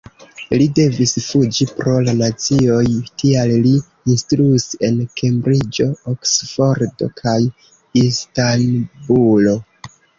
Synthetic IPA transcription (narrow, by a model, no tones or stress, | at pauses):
lide̞visfud͡ʒipɾo̞lanat͡sio̞jtialliː | nstɾuise̞nkʰe̞mbɾid͡ʒo̞oksfo̞ɾdo̞̰kʰaj | istanbulo̞